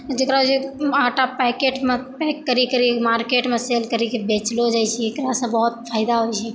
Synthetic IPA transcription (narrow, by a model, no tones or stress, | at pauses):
d͡ʒekɾaot͡ʃiaːʈapɛkeʈmẽpɛkːəɾikəɾimaːɾkeʈmẽselkəɾikebet͡ʃlod͡ʒaːjt͡ʃʰiekɾasə̃bɔɦʊt̪̚pʰaːɪd̪aɦojt͡ʃʰɛ